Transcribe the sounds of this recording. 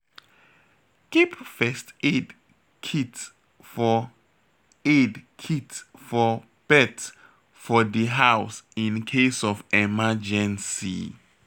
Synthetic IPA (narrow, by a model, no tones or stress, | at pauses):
kipfɛsted | kʰit | fɔ | edkʰitfɔ | b̥ɛt | fɔdiɦawsĩnkʰesɔfɛmad͡ʒɛ̃nsḭ